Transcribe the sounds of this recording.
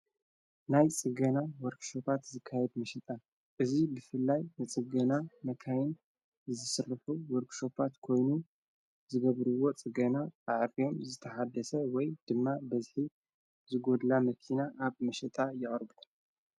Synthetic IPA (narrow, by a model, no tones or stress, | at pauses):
najt͡sʼɨɡɐnawoɾkʃo̞pʰat̪zɨkʰːajɛd̪mɐʃɐt̪ʼa | ʔɨzibɨfɨlːajnɨt͡sʼɨɡɐnamɐkʰajɪn | zɨsɨrɨħuwoɾkʃo̞pʰat̪kʰo̞jnu | zɨɡɐβɾɨwːo̞t͡sʼɨɡɐnaaʕɾijo̞mzɨt̪ʰɐħad̪ɐsɐwɔjd̪̥ɨmːabɐzħi | zɨɡo̞d̪lamɐkʰinaʔaβmɐʃɛt̪ʼajɨʔʼɨɾbɨt̪ʰʼɐ